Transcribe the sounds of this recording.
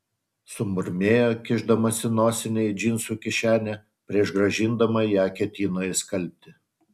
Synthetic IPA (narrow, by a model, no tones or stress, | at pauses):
sʊmʊɾʲmʲeːjoːkʲɪʒd̪ɐmɐsʲɪnoːsʲɪnʲɛɪd͡ʒʲɪnsuːkʲɪʃʲæːnʲɛ | pʲɾʲiɛʃɡɾɐʒʲɪnd̪ɐmɐjæːkʲɛt̪ʲiːnoːjɪskɐlʲp̚ʲt̪ʲɪ